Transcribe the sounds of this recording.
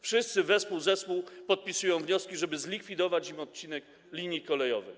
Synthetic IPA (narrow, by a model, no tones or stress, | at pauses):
fʂɘst̪sɘvɛspuwzɛspuwpɔt̪̚pʲisujɔ̃w̃vɲɔskʲiʐɛbɘzlʲikfʲid̪ɔvat͡ɕimɔt̪̚t͡ɕinɛk | lʲiɲjikɔlɛjɔvɘx